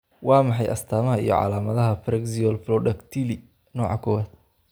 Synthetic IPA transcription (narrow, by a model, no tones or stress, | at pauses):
wɑːmɑħɑjʔɐ̰st̪ʰaːmɐɦɐḭjɔ̰ʕɑ̰laːmɐðɐɦɐfrɛɡsiɔlflɔɖɐkt̪ʰiːli | nɔːʕɑkʰɔwaːd̪̥̚